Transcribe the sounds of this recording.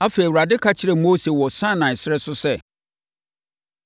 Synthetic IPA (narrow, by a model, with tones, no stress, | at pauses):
a˦feː˨i˨wu˨ɾa˨dɪ˦kʰa˦t͡ɕʰɪ˦ɾɛ˨moː˦se˨wɔ˨sã˦˨nã˨ɪ˨sɪ˦ɛ˦sʊ˦sɛ˦